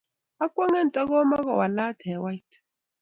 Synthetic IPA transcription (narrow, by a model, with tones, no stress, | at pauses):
a˦kʷʼɔ˦ŋa˦n̩˨tʼa˦kɔ˦ma˦kɔ˨wa˨la˦tʰɛ˨wa˦jt